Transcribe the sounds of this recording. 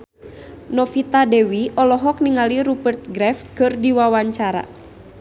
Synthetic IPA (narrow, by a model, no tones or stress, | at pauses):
nɔfit̪adɛwiʔɔlɔɦɔk̚niŋaliɾubərt̪̚ɡɾɛfskərdiwawaɲt͡ʃaɾa̰